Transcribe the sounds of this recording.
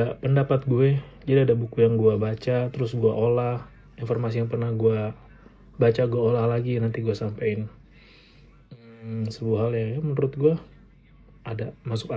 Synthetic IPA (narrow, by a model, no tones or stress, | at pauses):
apəndapat̪̚ɡuad͡ʒadiadabukujaŋɡuabat͡ʃat̪əɾʊsɡuaʔolah | informasijaŋpərnahɡua | bat͡ʃaɡuaolahlaɡinant̪iɡuasampaɪn | əsəbuaɦaljajamənəɾʊt̪̚ɡuaː | damasʊka